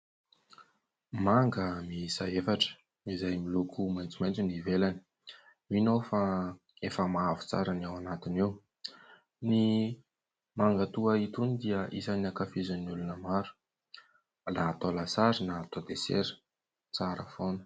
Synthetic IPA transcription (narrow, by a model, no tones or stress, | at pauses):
maŋɡəmisaefaʈ͡ʂə̥ | izajmilukʰumajnt͡simajnt͡sinivelani̥ | inofa | efəmaavu̥t͡sa̰ɾanawanat̪iniw | ni | maŋɡət̪uəit̪unid̪iəʔisaniakafizaniulunəmaɾu̥ | laːt̪olasaɾinaːt̪od̪esḛɾə̥ | t͡saɾə̰fonə̥